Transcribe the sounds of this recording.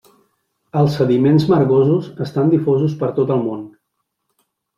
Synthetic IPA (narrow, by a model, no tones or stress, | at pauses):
əlˠsəðimenzməɾɣozuzəst̪and̪ifozuspəɾt̪ot̪əlˠmon